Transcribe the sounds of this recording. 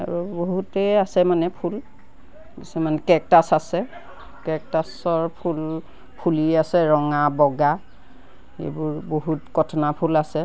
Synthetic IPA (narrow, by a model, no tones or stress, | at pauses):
a̰ɹuboɦutɛasɛmanɛpʰul | kisumankɛk̚tasasɛ | kɛk̚tasɔɹpʰul | pʰuliasɛɹɔŋabɔɡa | ḛbʊɹboɦutkɔtʰɔnapʰulasɛ